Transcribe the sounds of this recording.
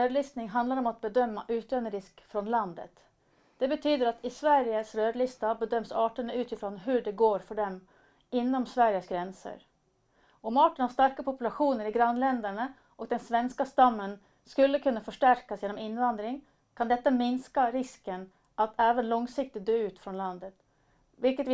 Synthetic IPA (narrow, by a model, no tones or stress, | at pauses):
øːd̪lɪst̪nɪŋɦand̪laɾɔmat̪̚bɛd̪œmːaʔʉːt̪løːnəɾɪskfɾɔnland̪ə̰t̪ | d̪̥ɛbət̪ʰyːd̪əɾat̪ʰɪsvæɾjəsɾøːd̪lɪst̪abɛd̪œmsɑːʈəɳəʉːt̪ɪfɾɔnɦɵɖɛɡoːɾfɔɖɛm | ɪnːɔmsvæɾjəsɡɾɛnsə̰ɾ | ɔmɑːʈəɳhast̪aɾkapʰʊpɵlaɧuːnəɾɪɡɾanːlɛnd̪æɳə | ʔɔk̚d̪ɛnsvɛnskast̪amːən | skɵlːəkʰɵnːafœʂʈæɾkasjeːnɔmɪnːvand̪ɾɪŋ | kʰand̪ɛt̪ːamɪnskaɾɪskən | ʔat̪ʰɛːvənlɔŋsɪk̚t̪ɪt̪̚d̪øːʉ̟ːt̪fɾɔnland̪ət̪ | vɪlkət̪